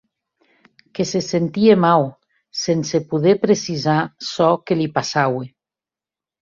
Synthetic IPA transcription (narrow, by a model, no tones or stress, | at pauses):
kesesent̪iemaw | sensepuðepɾesizasɔkelipasawe